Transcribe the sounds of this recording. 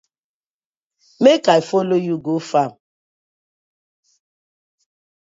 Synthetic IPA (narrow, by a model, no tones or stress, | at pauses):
mekaifolojuɡofam̩